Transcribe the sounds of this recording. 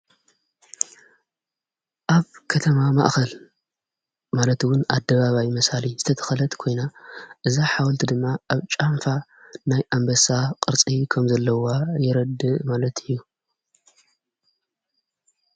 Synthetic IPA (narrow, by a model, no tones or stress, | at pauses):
ʔaβkʰɐt̪ʰɐmama̰ʔxɐl | malɐt̪wʊnad̪ːɐβaβajmɐsalizɨt̪ʰɐt̪ʰɐ̥xɐlɐt̪kʰo̞jnaʔɨzaħawɐlt̪ʰid̪ɨmːaʔaβt͡ʃʼamfanajʔambɐsaqʼɨɾt͡sʼikʰɐmzɐlːɐwajɪɾɐd̪ɨʔmalɐt̪ʰɨjːu